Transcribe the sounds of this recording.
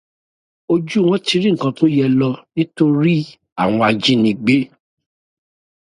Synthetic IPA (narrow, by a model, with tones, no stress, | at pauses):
o˧d͡ʒu˦˨w̃ɔ̃˦ti˧˦ɾĩ˦ŋ̩˨kã˧to˦jɛ˦lɔ˧nĩ˦to˦˧ɾi˦ | a̰˦˨w̃ɔ̃˧a˧d͡ʒĩ˨˦nĩ˧ɡ͡be˦